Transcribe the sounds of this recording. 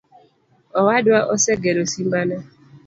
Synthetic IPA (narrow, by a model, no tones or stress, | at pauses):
ɔwadwaʔɔsɛɡɛɾosimbana